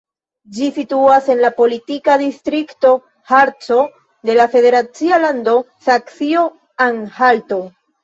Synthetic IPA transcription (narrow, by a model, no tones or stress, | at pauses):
d͡ʒisituase̞nlapo̞litikadistɾikto̞ | haɾt͡so̞ | de̞lafe̞de̞ɾat͡sialando̞ | saksio | aŋhalto̞